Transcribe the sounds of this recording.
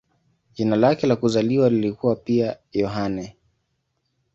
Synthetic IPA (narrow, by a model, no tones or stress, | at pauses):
ʄinalakɛlakuzaliwalilikuwapia | jɔɦanɛ